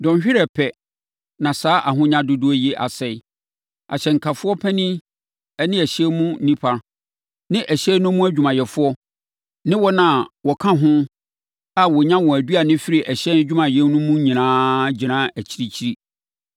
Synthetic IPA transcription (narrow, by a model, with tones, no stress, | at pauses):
dɔ̃˨nɕᶣɪ˦ɾɛ˨pʰɛ˨ | nã˨saː˨˦ʔa˨ɦʊ̃˦ɲã˦dʊ˦dʊ˦ɔ˦jɛ˦ʔa̰˨sɛ˨i˨ | a̰˨ɕɛ˨ŋ̩˨kʰa˨fʊ˦ɔ˦pʰɛ˦nĩ˦ | ɛ˦nɪ̃˦æ˨ɕɛ˦mũ˦n˦nĩ˦pʰa˨ | nɪ̃˦ʔæ˨ɕɛ˦nʊ̃˦mũ˦æ˦d͡ʑᶣu˨mã˨jɛ˨fʊ˦ɔ˦ | nɪ̃˦wɔ˦nã˨wɔ˨kʰã˦ɦʊ̃˦ | a˨wɔ˨ɲã˦wɔ̃˨æ˨dɥa˨nɪ̃˦fɪ˦ɾi˨ʔæ˨ɕɛ˦n˦d͡ʑᶣu˦mã˨jɛ˦nʊ̃˦mũ˦ɲĩ˨nãː˦d͡ʑi˨nãː˦æ˨t͡ɕʰi˦ɾi˨t͡ɕʰi˦ɾi˦